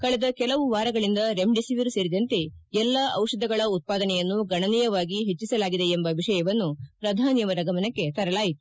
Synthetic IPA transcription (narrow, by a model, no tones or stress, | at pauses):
kɐɭɛd̪ɐkɛlɐʋuʋaːɾɐɡɐɭind̪ɐɾe̞mɖisiʋiɾseːɾid̪ɐnt̪e̞ | ɛlːɐɐwʂɐd̪ʱɐɡɐɭɐut̪̚paːd̪ɐnɛjɐnːuɡɐɳɐnijɐʋaːɡiɦet͡ʃːisɐlaːɡid̪e̞embɐʋiʂɐjɐʋɐnːupɾɐd̪ʱaːnjɐʋɐɾɐɡɐmɐnɐkːe̞t̪ɐɾɐlaːjit̪u̥